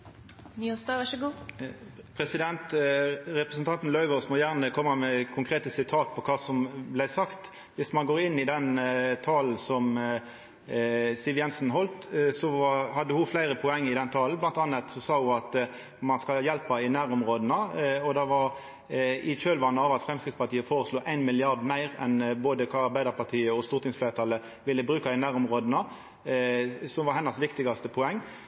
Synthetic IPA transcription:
niɔsd̪ɑːʋæʃəɡuː | pʰɾɛsɪd̪ɛnt̪ʁɛpɾʁɛsnt̪ʰɑnt̪n̩lœʏʋɔsmɔjæʁnəkʰɔmːəmɛkʰʊŋkʰɾeːt̪əsɪt̪ʰɑːt̪̚pʰɔkʰɑːsɔmblæɪsɑkt̪ | ʋɪsmɑnɡoːɾɪnːɪd̪ɛnt̪ʰɑːln̩sɔm | sɪːʋjɛnsn̩ɦɔlt̪sɔʋɑhɑd̪ːəhʊflæɪɾəpʰɔɛŋːɪd̪ɛnt̪ʰɑːlnblɑnt̪ɑːnət̪sɔsɑːhʊɑt̪ | mɑnskɑljɛlpɑɪnæːɾɔmʁoːd̪ənəɔd̪ɛʋɑɾ | ɪt͡ʃøːlʋɑnːəɑːʋɑt̪fɾɛmskɾɪt̪spɑʁt̪iːəfoːɾəsluːʔæɪnmɪlɪɑʁd̪mæɪʁɛ̰nboːd̪əkʰɑɑɾbæɪd̪əpɑt̪ʰiːəɔst̪uːʁt̪ɪŋsflœːɾət̪ʰɑːlːə | ʋɪlːəbɾʁʉːkɑɪnæːʁɔmʁoːd̪ənə | sɔmʋɑɾɦɛnːɑsʋɪkt̪ɪɡɑst̪əpʰɔɛŋː

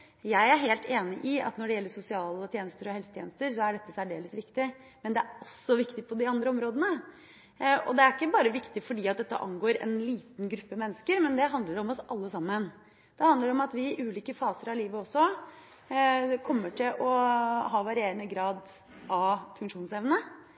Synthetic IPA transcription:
jæɪæɾɦeːlt̪ʰeːnɪʔɪɑ̰t̪nɔɖɛjɛlːəʂʊsɪɑːlət̪ʰjeːnəst̪əɾɔhɛlsət̪ʰjeːnəst̪əɾsɔæɖɛt̪ːəsæɖeːləsʋɪkt̪ɪmɛnd̪ɛæɾɔsːɔʋɪkt̪ɪpʰɔd̪ɪɑnd̪ɾəɔmɾoːd̪ənə | ʔɔ̰d̪ɛæɾɪkːəbɑːɾəʋɪkt̪ɪfɔɖiːɑt̪̚d̪ɛt̪ːə̰ʔɑ̰ŋɡoːɾɛ̰nliːt̪nɡɾʉpːəmɛnːəskəɾmɛnd̪ɛɦɑnd̪ləɖɔmɔsɑlːəsɑmːən | d̪̥ɛhɑnd̪əɖɛɔmɑt̪ʋɪʔʉːliːkəfɑːsəɾɑʋliːʋəɔsːɔ | kʰɔmːəʈʰɪlɔɦɑːʋɑɾɪeːɾənəɡɾɑːd̪ | ʔɑfʉŋkʂuːnsɛʋnə

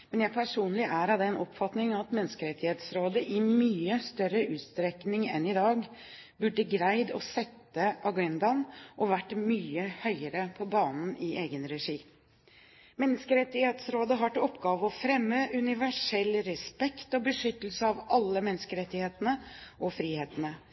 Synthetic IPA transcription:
mɛnjæɪpʰæʂuːnlɪʔæːɾɑd̪ɛɛnʔɔpfɑt̪nɪŋɑɑt̪mɛnːəskəɾɛt̪ːɪheːt̪sɾoːd̪əʔɪmyːəst̪œɾəʔʉːt̪st̪ɾɛknɪŋɛ̰nɪd̪ɑːɡ | bʉɖːəɡɾæɪd̪ɔsɛt̪ːəʔɑɡɛnd̪ɑnʔɔʋæʈːmyːəhœʏəɾəpʰɔbɑːnn̩ʔɪʔeːɡənɾɛʂiː | mɛnːəskəɾɛt̪ːɪheːt̪sɾoːd̪əɦɑʈɪɔpːɡɑːʋəɔfɾɛmːəʔʉnɪʋæʂɛlːɾɛspɛkt̪ɔbəʂʏt̪ːəl̩səɑʋɑlːəmɛnskəɾɛt̪ːɪheːt̪ənəʔɔfɾiːheːt̪ənə

